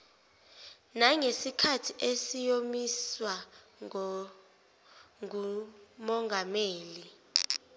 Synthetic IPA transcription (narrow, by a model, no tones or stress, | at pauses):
naŋesikʰatʰiʔesijomiswa | umɔŋɡʱameːli